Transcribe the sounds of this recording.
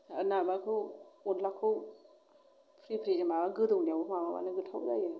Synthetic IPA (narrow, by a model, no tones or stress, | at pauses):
a̰namakʰɯwonlakʰɯw | pʰɾipʰɾizimaaɡɯdɯwniawumamama̰nɯɡɯtʰa̰wzajɯ